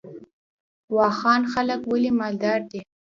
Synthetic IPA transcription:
wɑxɑnxaləkwəlimɑld̪ɑɾd̪i

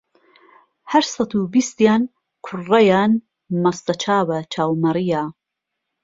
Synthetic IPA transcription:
hɐɾsɐt̪uːbist̪jaːn | kʰʊrːɐjaːn | mɐst̪ɐt͡ʃʰaːwɐt͡ʃʰaːwmɐɾijaː

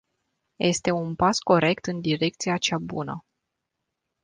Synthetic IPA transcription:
je̞st̪e̞unpasko̞ɾe̞kt̪ɨnd̪iɾe̞k̚t̪sijat͡ʃabunə̰

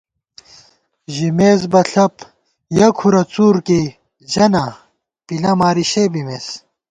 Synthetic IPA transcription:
ʑimeːzbɐɬɐp | jɐkʰuɾɐt͡suːɾki | d͡ʑɐnɐ | pilɐmaːɾiɕebimeːs

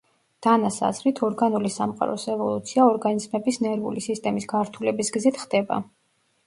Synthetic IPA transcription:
d̪̥anasa̰zɾit̪ʰɔɾɡanulisamqʼa̰ɾɔ̰sɛvɔlˠut̪sʰiaɔɾɡanizmɛbisnɛɾvṵlisist̪ʼɛmisɡ̥aɾt̪ʰulɛbisɡzit̪ʰχd̪ɛba̰

